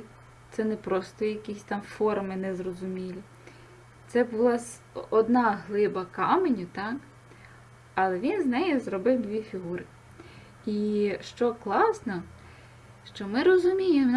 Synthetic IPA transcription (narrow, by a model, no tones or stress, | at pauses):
t̪sɛnɛpɾɔst̪ɔjɐkʲisʲt̪ɑmfɔrmɪnɛzrɔzʊmʲilʲi | t̪sɛbʊlˠɑsʲ | ɔd̪nɑɦlˠɪbɐkɑmenʲʊt̪ɑk | ɐlˠɛʋʲinznɛjɛzrɔbɪwd̪ʲʋʲifʲiɦuɾɪ | iʃt͡ʃɔklˠɑsnɔ | ʃt͡ʃɔmɪɾɔzʊmʲijem